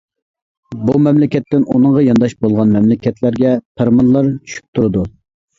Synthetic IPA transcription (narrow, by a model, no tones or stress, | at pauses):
bumɛmlɪkʲɛt̪ːɪnʔunɨŋʁɑjɑnd̪ɑʃbolˠʁɑnmɛmlɪkʲɛt̪ʰlæɾɡʲɛpʰeɾmɑnlˠɑɾt͡ʃʰy̥ʃy̥p̚ʲt̪ʰuɾɨd̪u